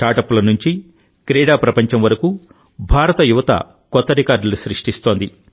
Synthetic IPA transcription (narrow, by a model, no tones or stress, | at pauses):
ʈaːʈɐpːulɐnuɲt͡ʃi | kɾɛːɽaːpɾɐpɐɲt͡ʃɐmʋɐɾɐku | bʱaːɾɐt̪ɐjuʋɐt̪ɐ̰ | kɔt̪ːɐɾikaːɾɖɐluʃɾiʂʈist̪o̞ːnd̪i